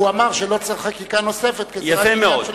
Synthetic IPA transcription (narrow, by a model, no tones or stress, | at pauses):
uamaʁʃelot͡seχχakikano̞sefet̪ket͡sjafemeod̪ʃ